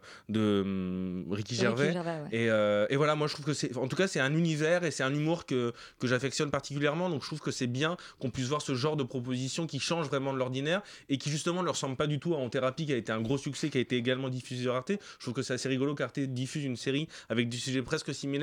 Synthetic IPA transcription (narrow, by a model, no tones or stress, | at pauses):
d̪əmʁikʲiʒɛʁvɛeøevwalamwaʒət̪χuvkəsɛɑ̃t̪ukasɛt̪ɛ̃nynivɛʁesɛt̪ɛ̃nymuʁkə | kəʒafɛksjɔnpaʁt̪i̥k̬ʲyljɛʁmɑ̃d̪ɔ̃kət̪χuvkəsɛbjɛ̃kɔ̃pɥis̬vwaʁsəʒɑ̃ʁd̪əpχɔp̬ozisjɔ̃kʲiʃɑ̃ʒvʁɛmɑ̃d̪əlɔʁd̪inɛʁ | ekʲiʒyst̪əmɑ̃nələʁəsɑ̃bləpad̪yt̪uaɑ̃t̪eʁapikʲiaet̪eɛ̃ɡʁosyksɛkʲiaet̪eːɡalmɑ̃d̪ifyzeʁaʁt̪eʒət̪χuvkəsɛaseʁiɡɔlokaʁt̪ed̪ifyzynseʁiavɛk̚d̪ysyʒɛpχɛskəsimel